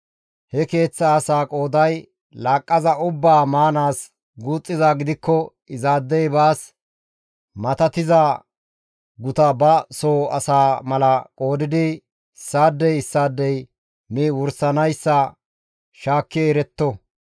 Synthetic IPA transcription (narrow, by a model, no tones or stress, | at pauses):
hɛke̞ːt͡sːɐːsaːkʼo̞ːd̪ɐj | laːkʼːɐzɐʊbːaːmaːnaːs | ɡuːt͡sʼːɪzaːɡɪd̪ɪkːɔ | ɪzaːd̪ːɛjbaːs | mɐt̪ɐt̪ɪzaː | ɡʊt̪ɐbɐsoːɐ̰saːmɐlɐkʼo̞ːd̪ɪd̪ɪ | ɪsːaːd̪ːɛjɪsːaːd̪ːɛj | miːwʊɾsɐnɐjsːɐ | ʃaːkːɪɾɛt̪ːɔ